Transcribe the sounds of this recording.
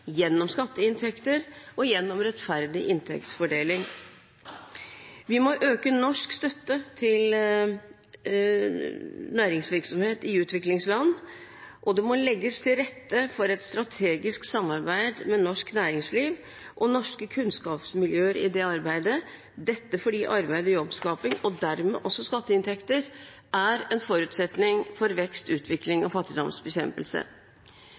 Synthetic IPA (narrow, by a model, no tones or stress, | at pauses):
jɛnːɔmskɑt̪ːəɪnt̪ʰɛkt̪əɾɔjɛnːɔmɾɛt̪fæɾd̪ɪʔɪnt̪ʰɛ̰kt̪sfɔɖeːlɪŋ | ʋɪmɔʔøːkənɔʂkst̪œt̪ːət̪ʰɪl | næːɾɪŋsʋɪɾksɔmheːt̪ɪʉːt̪ʋɪklɪŋslɑnː | ʔɔd̪ɛmɔlɛɡːəst̪ʰɪlɾɛt̪ːəfɔɾɛt̪st̪ɾɑt̪ʰeːɡɪsksɑmːɑɾbæɪd̪mɛnɔʂknæːɾɪŋsliːʋ | ʔɔnɔʂkəkʰʉnskɑːpsmɪljøːəɾɪ̰d̪ɛɑɾbæɪd̪ə | d̪ɛt̪ːəfɔɖiːʔɑɾbæɪd̪əjɔbskɑːpɪŋɔd̪æɾmɛ̰ʔɔsːɔskɑt̪ːəɪnt̪ʰɛkt̪əɾ | ʔæɾɛnfɔɾʉːt̪sɛt̪nɪŋfɔɾʋɛkst̪ʉːt̪ʰʋɪklɪŋɔfɑt̪ːɪd̪ɔmsbɛçɛmpəlsə̰